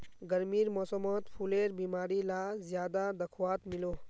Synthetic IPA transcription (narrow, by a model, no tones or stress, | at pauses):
ɡɐɾmiːɾmɔːsəmoːt̪pʰuleːɾbiːmaːɾilazjaːd̪ad̪ɐkʰwaːt̪miloː